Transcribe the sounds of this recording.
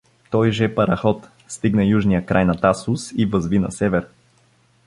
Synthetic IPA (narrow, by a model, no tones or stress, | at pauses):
t̪ɔjʒɛpɐɾɐxɔt̪ | st̪iɡnəjuʒnijəkɾʔajnɐt̪asʊsivəzvinɐ̰sɛvɛɾ